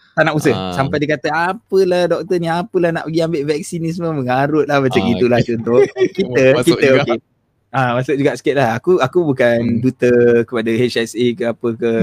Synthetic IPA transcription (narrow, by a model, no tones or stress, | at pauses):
t̪anaʔusəhsampajdəkat̪əapəlahdɔk̚t̪əniapəlahna̰ʔpəɡiambɪʔvɛk̚sinis̬mə̃məŋaɾʊt̪̚lahmat͡ʃamɡit̪ulaht͡ʃɔnt̪ʊkit̪əkit̪əok | amasʊk̚d͡ʒuɡaʔsə̥kɛt̪̚laɦakuakubukandut̪əkəpadahet͡ʃɛsikəapəkə